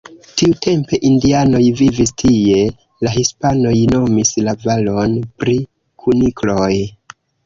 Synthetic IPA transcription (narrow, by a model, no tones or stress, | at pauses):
tiute̞mpe̞ʔindiano̞jvivistʰie̞ | laɦispano̞jno̞mislavalo̞npɾi | kʰuniklo̞j